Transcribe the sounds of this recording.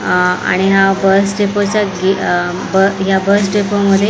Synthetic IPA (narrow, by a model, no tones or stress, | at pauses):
a̰ɽ̃iɦabəsʈepot͡ɕjaɡi | bəɦjabəsʈepəməd̪ʱje